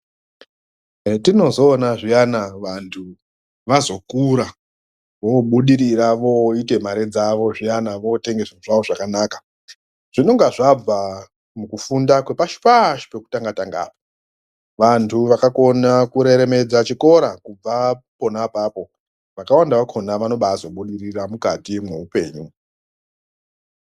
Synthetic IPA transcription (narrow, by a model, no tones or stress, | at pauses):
tino̞zo̞ːnaʐijanaʋantʰu | ʋazo̞kuɾa | ʋo̞ɓuɗiɾiɾaʋo̞ite̞maɾed͡zaʋo̞ʐijanaʋo̞te̞ŋɡe̞saʐaʋo̞ʐakanaːka | ʐ̥ino̞ŋɡaʐab͡va | mukufundakwe̞paʃi̥paʃi̥pe̞ku̥taŋɡataŋɡa̰ːpo | ʋantʰuʋakako̞nakuɾe̞ɾe̞me̞d͡zat͡ʃiko̞ɾakub͡vapo̞napaːpo̞ | ʋakawandaʋakʰo̞naʋano̞ɓaːzo̞ɓuɗiɾiramukatimwe̞upe̞̰ːɲu